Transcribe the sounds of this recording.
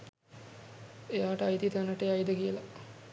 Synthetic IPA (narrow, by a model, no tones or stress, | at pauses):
ejaːʈəajt̪it̪anəʈeajd̪əkijəla